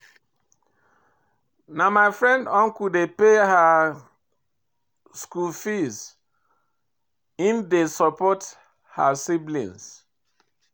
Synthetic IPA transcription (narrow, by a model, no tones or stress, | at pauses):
namaɪfɹɛ̃ndɔ̃nkudepeha | skulfis | ifdesɔpɔt | ha̰siblḭ̃ns